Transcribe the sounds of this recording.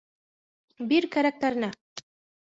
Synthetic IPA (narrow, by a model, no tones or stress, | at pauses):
biɾkæɾæk̚t̪æɾɘ̆næ